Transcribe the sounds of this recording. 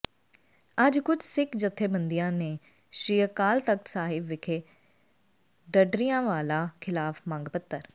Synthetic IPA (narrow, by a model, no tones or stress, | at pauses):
əd͡ʒkʊt͡ʃʰsɪkd͡ʒət̪ʰːeːbənd̪ijãːneː | ʃɾiːəkaːlt̪əksaːɦɪbʋɪkʰeː | ɖəɖɾijãːʋaːlaːkʰɪlaːfmãːŋɡpət̪ːəɾ